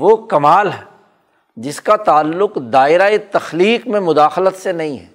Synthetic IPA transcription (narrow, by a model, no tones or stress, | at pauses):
ʋokɐmaːlɦɛ | d͡ʒɪskat̪aːlːʊqd̪aːɪɾaet̪ɐxliːkmẽmʊd̪aːxlət̪senɐɦĩɦɛ̰ː